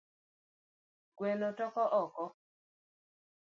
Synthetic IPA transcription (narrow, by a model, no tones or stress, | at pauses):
ɡwɛnɔtɔkɔʔɔkɔ